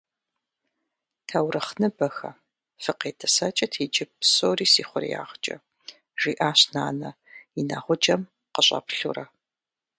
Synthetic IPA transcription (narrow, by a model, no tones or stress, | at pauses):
tʰɐwrɐχnɨbɐxɐ̰ | fɨqeːtʰɐsɐt͡ʃʼɐtʰeːd͡ʒʼɪpsoːriːsiːχʷʊrja̰ːʁt͡ʃʼɐ̰ | ʒiːʔaːɕna̰ːnɐina̰ːʁʷʊd͡ʒɐm | qəɕʼɐ̰pɬṵrɐ